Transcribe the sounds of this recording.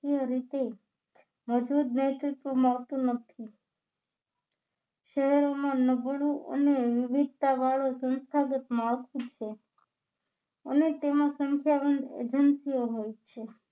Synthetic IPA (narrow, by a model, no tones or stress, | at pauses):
iəɾit̪e | məd͡ʒbud̪nɛt̪ɾɪt̪ʋomaʋt̪ũnət̪ʰi | ʃəɦɛɾomãnəbɭũʔə̰neʋɪʋid̪̚ʱt̪aʋaɭosə̃nst̪ʰaɡət̪malt̪ũt͡ʃʰe | ə̰net̪emãsəŋkʰjabənd̪ḛd͡ʒənsijoɦojt͡ʃʰe